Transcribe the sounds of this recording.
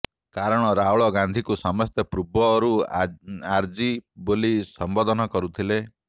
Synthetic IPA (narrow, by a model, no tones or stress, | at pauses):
kaɾɔɽ̃ɔɾauɭɔɡand̪ʱikusɔmɔst̪jɔpɾubʱɔːɾu | aɾd͡ʒibolisɔmbod̪ʱɔnɔkɔɾut̪ʰile